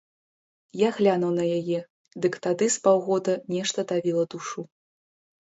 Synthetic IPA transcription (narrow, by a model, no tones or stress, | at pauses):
jaɣlʲanɐwnɐjajɛ | d̪ɨkt̪ad̪ɨspawɣɔd̪ɐnʲɛʂt̪ɐd̪avʲilˠɐd̪uʂu